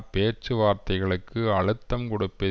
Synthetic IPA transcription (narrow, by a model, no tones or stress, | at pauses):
peːt͡ʃɯʋaːɾt̪ɐɪɣɐɭɯkːɯɐɻɯt̪ːɐmkɔɽɯpːɪ